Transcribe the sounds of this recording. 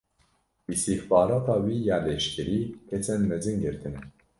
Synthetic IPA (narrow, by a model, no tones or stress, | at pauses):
ist̪ixbɑːɾɑːt̪ɑːwiːjɑːleʃkʲɛɾiːkʰɛt͡sɛnmɛzɨŋɡɨɾt̪ʰɨnɛ